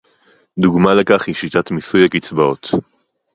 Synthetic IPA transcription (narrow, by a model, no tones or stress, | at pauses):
duɡmalekaχhiʃitatmisujakit͡sbaot̪